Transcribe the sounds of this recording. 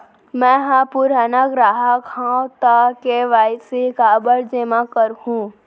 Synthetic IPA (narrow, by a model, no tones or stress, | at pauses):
mɛ̃ɦãpuɾanaɡɾaːɦakʰãːwt̪akeʋaːɪsikaːbəɾd͡ʒemãkəɾhũː